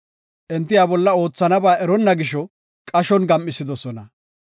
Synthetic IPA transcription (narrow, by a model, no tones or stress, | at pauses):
ʔɛnt̪̬ːɪjaːbɔlːɐo̞ːt͡sːɐnɐbaːʔɛɾɔnːɐɡɪʃɔ | kʼɐʃɔnɡɐmːɪsɪd̪ɔsɔnɐ